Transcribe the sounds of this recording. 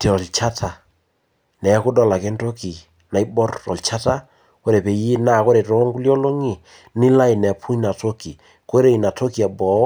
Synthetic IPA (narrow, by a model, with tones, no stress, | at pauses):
ti˨ɾɔ˨lt͡ʃa˦tʰa˨ | nɛ˨˦kʊ˦dɔ˦˨la˨kɛ˦nto˦ki˨ | na˨jbɔ˦rɔ̰˨lt͡ʃa˦ta˦ | ko˦ɾe˨pe˨ji˦na˦˨ko˦ɾe˨tɔ˦ŋku˦ljɔ˦lo˦ŋi˨ | ni˦la˦i˨nɛ˨pʰu˦ɲna˨to˦ki˨ | ko˦ɾe˨jna˨to˦ki˨a˨bɔ˨˦